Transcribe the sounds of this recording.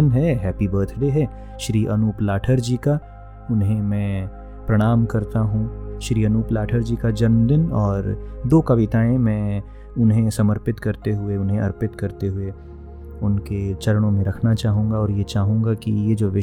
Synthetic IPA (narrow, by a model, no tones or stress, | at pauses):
ənɦɛɦɛːpibəːɾt̪ʰɖeɦɛː | ʃɾiːʔɐnuːplaːʈʰəɾd͡ʒiːka | ʊnɦẽmɛ̃ː | pɾɐɽ̃aːmkɐɾt̪aɦũʃɾiːɐnuːplaːʈʰəɾd͡ʒiːkad͡ʒɐnmd̪ɪnɔːɾd̪oːkɐʋɪt̪aːẽmɛ̃ː | ʊnɦẽsɐməɾpɪt̪kɐɾt̪eɦʊeʊnɦẽɐɾpɪt̪kɐɾt̪eɦʊe | ʊnket͡ʃɐɾəɽ̃õmẽɾɐkʰnat͡ʃaːɦũːŋɡaɔːɾjet͡ʃaːɦũːŋɡakḭjed͡ʒoːʋɪ